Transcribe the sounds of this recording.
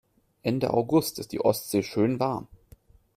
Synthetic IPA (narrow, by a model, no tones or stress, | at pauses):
ʔɛndə̰ʔa̰ʊɡʊstɪst̚d̥ḭːʔɔstz̥eːʃøːnvaɐm